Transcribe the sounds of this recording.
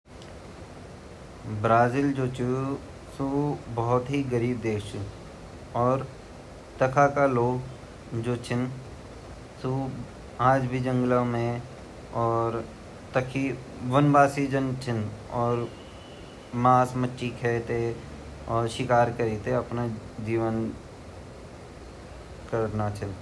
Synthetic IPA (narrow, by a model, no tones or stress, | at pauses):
bɾaːzild͡ʒoːt͡ʃu | subɔʊt̪ɦiɡəɾiːb̚d̪eːkʰt͡ʃʰu | ɔːɾ | t̪ɐkʰakaloːɡ | d͡ʒoːt͡ʃʰɪn | su | aːd͡ʒbʱid͡ʒə̃ŋɡlamẽ | ɔːɾ | t̪əkʰi | ʋənbaːsid͡ʒənt͡ʃʰɪnɔːɾ | maːsmətːʃikʰɛːt̪e | ɔːɾʃɪkaːɾkəɾiːt̪eɐpnad͡ʒiːʋən | kəɾnat͡ʃʰɪn